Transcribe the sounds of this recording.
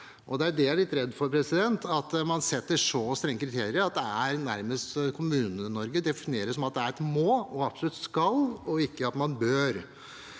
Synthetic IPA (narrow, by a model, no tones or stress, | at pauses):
ʔɔd̪ɛæɖɛæɭɪt̪ːɾɛd̪ːfɔɾpʰɾɛsɪd̪ɛnt̪ɑt̪mɑnsɛt̪ːəʂɔst̪ɾɛŋːəkʰɾɪt̪ʰeːɾɪəɾɑt̪̚d̪ɛæɾnæɾməst̪kʰʊmʉːnənɔɾɡəd̪ɛfɪnɪeːɾəsɔmɑt̪̚d̪ɛæɾɛt̪moːɔɑpsɔlʉt̪ːskɑlɔɪkːəɑt̪mɑnbøːɾ